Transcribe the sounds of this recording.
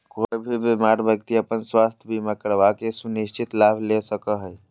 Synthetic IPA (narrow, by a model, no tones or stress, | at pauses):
koibʱibimaɾbjək̚t̪iəpənswast̪ʰjəbiməkəɾbakesuniʃt͡ʃit̪labʱlesəkəɦəj